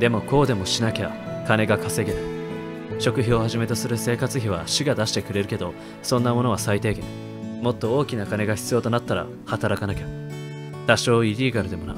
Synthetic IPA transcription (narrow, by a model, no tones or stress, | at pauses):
d̪e̞mo̞ko̞ːd̪e̞mo̞ɕinakʲa̰kane̞ɡakase̞ɡe̞ɾɯ̟ | ɕo̞kɯ̟çio̞haʑime̞t̪o̞sɨɾɯ̟se̞ːkat͡sɨçiβ̞aɕɨɡad̪aɕi̥t̪ekɯ̟ɾe̞ɾɯ̟ke̞d̪o̞ | sõnːamo̞no̞β̞asait̪e̞ːɡẽ̞̰ | mo̞t̪ːo̞o̞ːkʲinakane̞ɡaçi̥t͡sɨjo̞ːt̪o̞nat̪ːaɾa̰ | hat̪aɾakanakʲa | t̪aɕo̞ːiɾʲiːɡaɾɯ̟d̪e̞mo̞na̰